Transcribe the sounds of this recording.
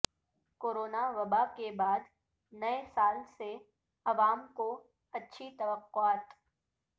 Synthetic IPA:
koːɾoːnaʋɐbakebaːd̪ | nɐesaːlse | ɐʋaːmko | ɐtːʃʰit̪ɐʋəqːʊaːt̪

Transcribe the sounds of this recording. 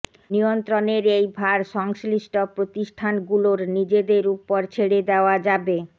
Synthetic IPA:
nijont̪ɾoneɾejbʱaɾʃɔŋsliʃʈʰopɾot̪iʃʈʰanɡuloɾnid͡ʑed̪eɾupːoɾt͡ɕʰeɽed̪eoad͡ʑabe

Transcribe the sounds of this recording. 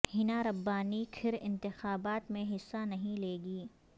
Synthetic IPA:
hɪnaɾɐbːaːnikʰɪɾɪ̰̃nt̪ɪxaːbaːt̪mẽɦɪsːanɐɦĩleːɡiː

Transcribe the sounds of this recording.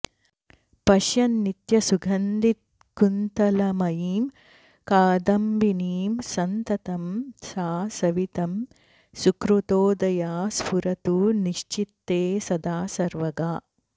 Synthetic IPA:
pɐʃjɐnːit̪jɐsuɡʱɐnd̪it̪̚ | kunt̪ɐlɐmɐjiːm | kaːd̪ɐmbiniːmsɐnt̪ɐt̪ɐmsaːsɐʋit̪ɐm | sukɾut̪oːd̪ɐjaːspuɾɐt̪uniʃt͡ʃit̪ːeːsɐd̪aːsɐɾʋɐɡaː

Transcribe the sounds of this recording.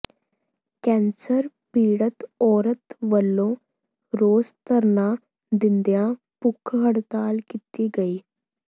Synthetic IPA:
kɛ̃nsəɾ | piːɽət̪ɔːɾət̪ʋəlːo | ɾoːst̪əɾna | d̪ind̪jã | pukʰɦəɽt̪aːlkit̪iːɡəiː

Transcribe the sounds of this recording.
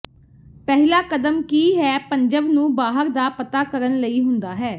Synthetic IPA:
pɛɦlaːkəd̪əmkiːɦɛːpəɲd͡ʒəbnũːbaːɦəɾd̪aːpət̪aːkəɾənləiːɦʊnd̪aːɦɛː

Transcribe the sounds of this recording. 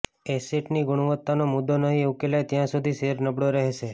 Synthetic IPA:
eseʈniɡʊɽ̃uʋət̪ːanomʊd̪ːonəɦieukelajt̪jãsud̪ʱiseɾnəbɽoɾəɦeʃe

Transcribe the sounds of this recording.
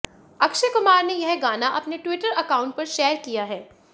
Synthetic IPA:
ɐkʃekʊmaːɾnejɐɦɡaːnaʔɐpneʈwɪʈəɾɐkaːʊ̃ɳʈ̚pɐɾʃɛːɾkijaɦɛː

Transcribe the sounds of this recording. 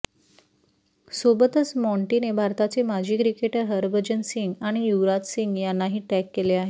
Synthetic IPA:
sobət̪əsmɔɳʈinebʱaɾt̪at͡semad͡ʑʱiːkɾikeʈəɾɦəɾbəd͡ʑənsiŋɡaɽ̃ijuɾat͡s̪siŋɡjanːaɦiːʈɛkːeleaɦe

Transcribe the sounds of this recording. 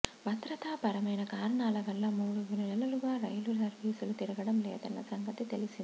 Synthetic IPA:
bʱɐt̪ɾɐt̪aːpɐɾɐmɐjnɐkaːɾɐɳaːlɐʋɐlːɐmuːɽuʋininɛlːɐluɡaːɾɐjluɾsɐɾʋiːsulut̪iɾɐɡɐɽɐmlɛːd̪ɐnːɐsɐŋɡɐt̪it̪elisind̪i

